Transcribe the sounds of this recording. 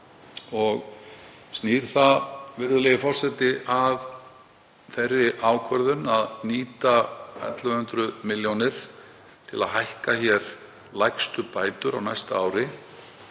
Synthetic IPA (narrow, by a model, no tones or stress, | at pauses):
ɔɣ | st̪niːɾ̥θavɪɾðʏlɛːjɪfɔr̥sɛt̪ɪʔað | θɛjrːɪʔaːwkʰvœɾðʏnaðniːt̪aɛ̰t̪lvahʏnt̪ɾʏmɪljownɪɾ̥ | t̪ʰɪla̰ðɦajhkaçɛɾ | lajkst̪ʏpaːjt̪ʏɾa̰wnajst̪aaːwɾɪ